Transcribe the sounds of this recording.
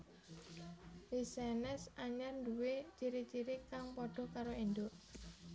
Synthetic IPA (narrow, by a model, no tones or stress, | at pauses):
isɛnɛsaɲarnduwet͡ʃiɾit͡ʃiɾikaŋpɔɖ̥ɔ̤kaɾoind̪ʊʔ